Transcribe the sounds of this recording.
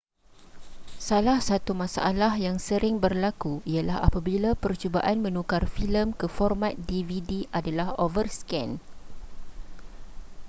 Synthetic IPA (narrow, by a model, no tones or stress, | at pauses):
salahsat̪umãsa̰ʔalahjaŋsəɾɪŋbərlakuialaɦa̰pabilapərt͡ʃubaʔanmə̃nũkarfiləmkəfɔrmãt̪̚dividiʔadalahovərskɛn